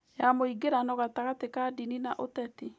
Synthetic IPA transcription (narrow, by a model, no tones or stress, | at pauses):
jamoiɡeɾanɔɣataɣatekadininaʔotɛte